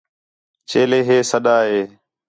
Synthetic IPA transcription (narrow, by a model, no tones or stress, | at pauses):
t͡ʃeːleːɦeːsəɗaːɦeː